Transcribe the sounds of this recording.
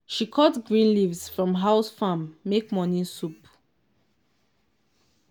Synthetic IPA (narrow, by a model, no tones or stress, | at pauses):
ʃikʰɔtɡɹĩnlivsfɹɔ̃mɦaʊsfamːekmɔnĩsup